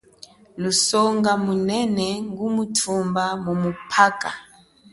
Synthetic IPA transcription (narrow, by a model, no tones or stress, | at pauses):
lusɔŋɡamunɛnɛŋɡumutʰumbamumupʰaka̰